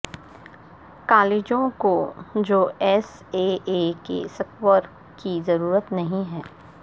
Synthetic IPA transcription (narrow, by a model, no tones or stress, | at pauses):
kaːleːd͡ʒõkod͡ʒoːɛs | eːeːkḛsɐkwəɾ | kizɐɾuːɾət̪nɐɦĩɦɛː